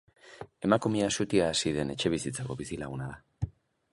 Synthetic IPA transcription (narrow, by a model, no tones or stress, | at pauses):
e̞makumeasut̪iaːsiðe̞ne̞t͡ʃe̞βisit͡sako̞βisilaɣunaða